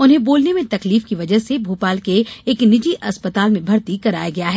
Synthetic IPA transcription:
ʊnɦẽboːlnemẽt̪ɐkliːfkiʋɐd͡ʒəɦsebʱuːpaːlkeeːknɪd͡ʒiʔɐspət̪aːlmẽbʱɐɾt̪ikɐɾa̰ːjaɡɐjaɦɛː

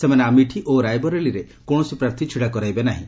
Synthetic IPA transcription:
semaneamiʈʰiʔoɾajbɔɾeɭiɾe | koɽ̃ɔsipɾaɾt̪ʰit͡ʃʰiɽakɔɾajbenaɦḭ̃

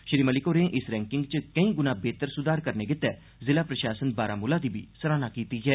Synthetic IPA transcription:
ʃɾiːməlɪkoːɾẽːʔɪsɾɛ̃ːŋkɪŋɡt͡ʃəkəĩːɡʊnãːbeːt̪əɾsʊd̪aːɾkəɾneːɡɪt̪ːɛː | zɪlaːpɾəʃaːsənbaːɾaːmʊlaːd̪iːbḭːsəɾaːnaːkiːt̪iːɦɛː

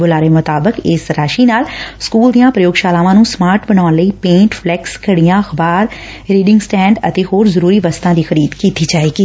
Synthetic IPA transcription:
bʊlaːɾəeːmʊt̪aːbəkɪsɾaːʃiːnaːlskuːld̪ijãːpɾəjoːɡʃaːlaːʋãːnũːsmaːɾʈbənaːʊnləiːpẽːɳʈpʰlɛːkskəɽijãːxbaːɾ | ɾiːɖɪŋɡsʈɛ̃ːɳɖə̰t̪eːhoːɾzəɾuːɾiːʋəst̪ãːd̪iːxəɾiːd̪kiːt̪iːd͡ʒaːeːɡiː

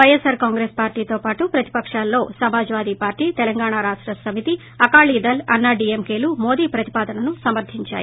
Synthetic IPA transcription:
ʋɐjesɐɾkaːŋɡɾeːspaːɾʈiːt̪o̞ːpaːʈupɾɐt̪i̥pɐkʂaːlːo̞ːsɐmaːd͡ʒʋaːd̪iːpaːɾʈiːt̪ɛlɐŋɡaːɳaːɾaːʂʈɾɐsɐmit̪i | ɐkaːɭiːd̪ɐlɐ̰nːaɖiːemkeːlumoːd̪iːpɾɐt̪i̥paːd̪ɐnɐnusɐmɐɾd̪ʱiɲt͡ʃa̰ːjḭ

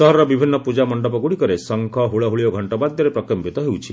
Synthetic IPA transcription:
sɔɦɔɾɔɾɔbibʱinːɔpud͡ʒamɔɳɖɔpɔɡuɽikɔɾesɔŋkʰɔɦuɭɔɦuɭiɔɡʱɔɳʈɔbad̪ʱjɔɾepɾɔkɔmpit̪ɔɦewt͡ʃʰi

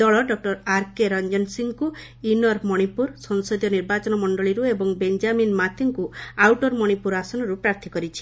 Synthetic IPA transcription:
ɔɭɔɖɔk̚ʈɔɾaɾkeɾɔnd͡ʒɔnsiŋku | inɔɾmɔɽ̃ipuɾsɔŋsɔd̪jɔniɾbat͡ʃɔnɔmɔɳɖɔɭiɾuebɔŋbend͡ʒaminmat̪ʰiŋkuawʈɔɾmɔɽ̃ipuɾasɔnɔɾupɾaɾt̪ʰikɔɾit͡ʃʰi̥

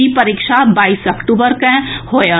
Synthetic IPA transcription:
ipɐɾikʃabaːisɐkʈuːbəɾkɛ̃hoːja

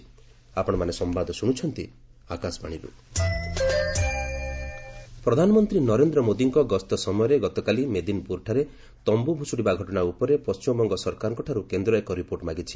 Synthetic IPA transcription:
apɔɽ̃ɔmanesɔmbad̪ʱɔsuɽ̃ut͡ʃʰɔnt̪i | akasɔbaɽ̃iɾṵ | pɾɔd̪ʱanɔmɔnt̪ɾinɔɾend̪ɾɔmod̪iŋkɔɡɔst̪ɔsɔmɔjɔɾeɡɔt̪ɔkalimed̪inpuɾʈʰaɾe | t̪ɔmbubʱusuɽibaɡʱɔʈɔɽ̃aupɔɾepɔst͡ʃimɔbɔŋɡɔsɔɾkaɾɔŋkɔʈʰaɾukend̪ɾɔekɔɾipoɾʈmaɡit͡ʃʰi̥

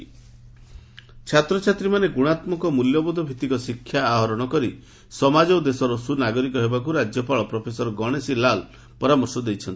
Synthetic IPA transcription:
t͡ʃʰat̪ɾɔt͡ʃʰat̪ɾimaneɡuɽ̃at̪mɔkɔmuljɔbɔd̪ʱɔbʱit̪ikɔsikʰːjaːɦɔɾɔɽ̃ɔkɔɾi | sɔmad͡ʒɔd̪esɔɾɔsunaɡɔɾikɔɦebakuɾad͡ʒjɔpaɭɔpɾɔpʰesɔɾɔɡɔɽ̃esilal | pɔɾamɔɾsɔd̪ejt͡ʃʰɔnt̪i̥

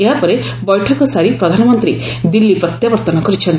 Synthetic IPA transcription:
eɦapɔɾe | bɔjʈʰɔkɔsaɾipɾɔd̪ʱanɔmɔnt̪ɾi | d̪ilːipɾɔt̪jabɔɾt̪ɔnɔkɔɾit͡ʃʰɔnt̪

